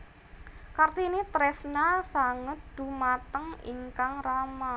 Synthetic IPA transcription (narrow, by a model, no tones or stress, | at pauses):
kart̪init̪ɾɛsnasaŋəd̥ṳmat̪əŋḭŋkaŋrama